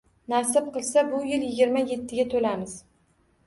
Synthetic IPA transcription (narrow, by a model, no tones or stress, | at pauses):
nasɪb̚qɨlˠsabʊjɪljɪɡʲɪɾmaje̞t̪ʰːɪɡʲat̪ʰolamɪz̥